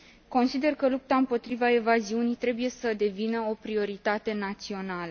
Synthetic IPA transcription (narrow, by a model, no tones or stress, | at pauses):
ko̞nsid̪e̞rkəlup̚t̪aɨmpo̞t̪ɾivaevaziunijt̪ɾe̞buje̞səd̪e̞vinəo̞pɾio̞ɾit̪at̪e̞nat̪sio̞nalə